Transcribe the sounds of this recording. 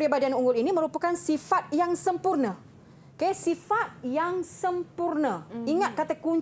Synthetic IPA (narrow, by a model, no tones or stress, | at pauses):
ɾibadianuŋɡʊliniməɾupakansifat̪̚jaŋsəmpurnə | kaasifat̪̚jaŋsəmpurnəiŋat̪̚kat̪akuɲ